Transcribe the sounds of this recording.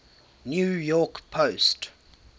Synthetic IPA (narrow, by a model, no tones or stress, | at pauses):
njujɔkpʰost